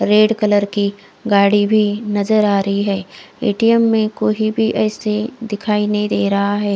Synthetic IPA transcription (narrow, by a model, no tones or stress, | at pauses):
ɾeːɽkələɾki | ɡaːɽibʱinɐzəɾaːɾəɦiɦɛː | eːʈiɛmːẽkoːɦibʱiʔɛːsed̪ɪkʰaːinɐɦĩd̪eːɾɐɦaɦɛː